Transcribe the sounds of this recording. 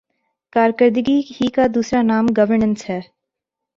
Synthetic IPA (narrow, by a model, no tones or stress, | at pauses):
kaːɾkəɾd̪ɡihikad̪uːsɾanaːmɡɐʋəɾnə̃nsɦɛː